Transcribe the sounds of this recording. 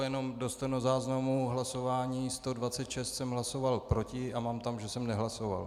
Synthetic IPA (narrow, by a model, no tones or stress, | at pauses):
jɛno̞mdo̞st̪ənozaːznamuɦlaso̞vaːɲiːst̪o̞dvat͡sɛt̪ʃɛst̪sɛmɦlaso̞valpɾo̞cɪʔamaːmt̪amʒɛsɛmnɛɦlaso̞va̰l